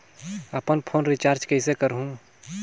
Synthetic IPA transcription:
əpənpʰoːnɾit͡ʃaːɾd͡ʒkɛsekəɾɦũ

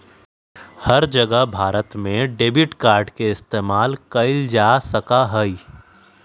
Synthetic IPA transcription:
hɐɾd͡ʒɐɡəɦbʱaːɾət̪mẽɖeːbɪʈkaːɾɖkeɪst̪eːmaːlkɐɪld͡ʒaːsɐkaɦəi

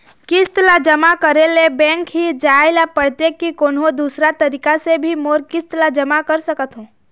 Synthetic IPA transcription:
kɪst̪lad͡ʒəmakəɾelebɛ̃ːŋkɦid͡ʒaːɪlapəɾt̪ekːikoːnɦod̪uːsɾat̪ɐɾiːkasebʱimoːɾkɪst̪əlad͡ʒɐmakəɾsəkət̪ɦõː

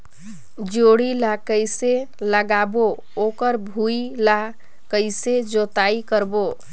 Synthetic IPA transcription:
d͡ʒoɽilakəjse | ləɡabo | okəɾbʱuila | kəɪsed͡ʒot̪aikəɾbo

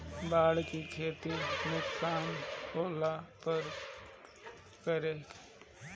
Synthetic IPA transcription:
baːɽkikʰeːt̪inʊksaːnoːlapəɾ | kəɾeː

